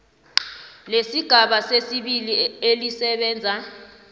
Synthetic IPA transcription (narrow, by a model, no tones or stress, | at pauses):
lesiɡ̥ʱaɓasesiɓilielisɛɓɛːnd͡zʱa